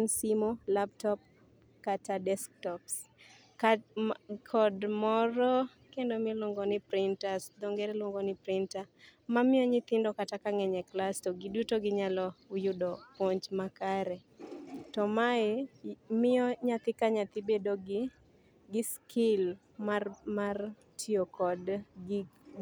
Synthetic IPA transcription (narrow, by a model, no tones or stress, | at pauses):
nsimolaptɔp̚ | katadɛsktɔps | ka | kʰɔdmɔɾɔ | kendomɪloŋɡɔnɪpɾɪntasd̪oŋɡɛɾɛloŋɡɔnɪpɾɪntamamɪɔɲɪt̪ɪndɔkatakaŋɛɲɛklastɔɡɪdutoɡɪɲalɔʊjʊdɔpoɲd͡ʒmakaɾɛ | tɔmaemɪɔɲat̪ɪkaɲat̪ɪbedoɡ | ɡɪskʰɪl | mamar | tʰiokʰɔd